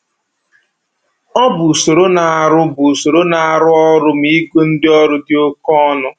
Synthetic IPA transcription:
ɔ˦bu˨so˨ɾo˦na˨a˨ɾʊ˦bu˨so˨ɾo˦na˨a˨ɾʊ˦ɔ˦ɾʊ˦m̩i˦kʷe˦n̩˦dɪ˦ɔ˦ɾʊ˦dɪ˦o˦kɔ˦nʊ˦

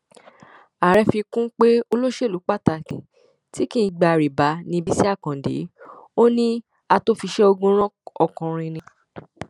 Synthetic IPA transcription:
a˨ɾɛ˧fi˧kũ˦k͡pe˦o˧lo˦ʃe˦˨lu˨˦k͡pa˦˨ta˧˨kĩ˨ | ti˦kĩ˦˨˧ɡ͡ba˧˨ɾi˨ba˨˦nĩ˧bi˦si˦a˦˨kã˨dḛ˨˦o˦nĩ˦ | a˧to˦fi˧ʃɛ˦o˧ɡũ˧ɾ̃ɔ̃˦ɔ˨kɔ̃˨ɾ̃ĩ˧nĩ˧

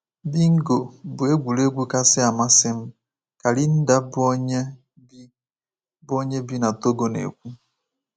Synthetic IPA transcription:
bi˦ŋ̩˦ɡo˨bʊ˨e˦ɡʷu˨le˦ɡʷu˦ka˦sɪ˦a˨ma˦sɪ˦m̩˦ | ka˨li˦n̩˦da˦bo˦ɲe˦ | bi˦ | bo˦ɲe˦bi˦na˨to˦ɡo˨nḛ˨kʷu˦

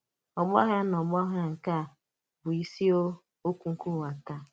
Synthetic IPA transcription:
ɔ˨m˦ɔ˦ɦa˦nɔ˨m˦ɔ˦ɦa˦ŋ̩˨ka˦˨ | bʊ˨i˦si˦o˦ | o˦kʷu˦ŋ̩˦ku˦˨wa˨ta˦

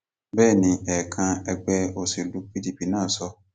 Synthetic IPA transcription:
bɛː˦˨nĩ˧ɛ˨kʰã˧ɛ˧ɡ͡bɛ˧o˨si˨lu˨˧k͡pi˦di˦˨pi˨˦nãː˦˨sɔ˧

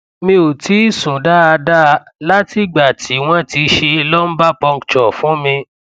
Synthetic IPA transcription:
mĩ˧o˨ti˨˦sũ˨da˦a˧da˦˧˦la˦ti˦ɡ͡ba˨tʰi˨˦w̃ɔ̃˦ti˧ʃe˧i˧lɔ˦n̩˦ba˦pɔ̃˧ŋ˨t͡ʃɔ˨fũ˦mĩ˧

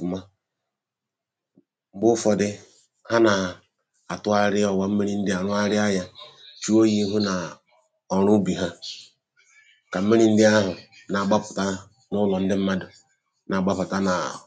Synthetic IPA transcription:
ma˦ | m˦bʊ˦fɔ˨dɪ˦ | ha˦na˨ | a˨tʊ˦a˦ɾɪ˦ɔ˨wa˦m̩˦mi˦ɾi˦n̩˦dɪ˦a˨ɾʊ˦a˦ɾɪ˦a˦ja˦t͡ʃu˦o˦ji˦ɦʊ˦na˨ | ɔ˨ɾʊ˦bi˨ɦa˦ | ka˨˦mi˦ɾi˦n̩˦dɪ˦a˦ɦʊ˨ | na˨ɡ͡ba˦pʊ˨ta˦ | nʊ˦lɔ˨n̩˦dɪ˦m̩˦ma˦dʊ˨ | na˨ɡ͡ba˦pa˨ta˦na˨

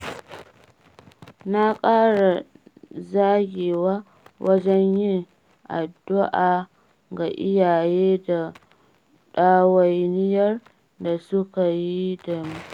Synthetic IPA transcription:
na˦kʼaː˦ɽa˨ | zaː˦ɡʲeː˨wa˦ | wʔɐ˦d͡ʒɛ˦ɲjɪ˦ŋ | ʔa̰˨dːʊ˦ʔaː˨ | ɡa˨ʔɪ˦jaː˨jeː˦da˨ | ɗaː˦wa˦jnɪ˦jɐ˦r | da˨sʊ˦ka˨ji˦da˨mu˦

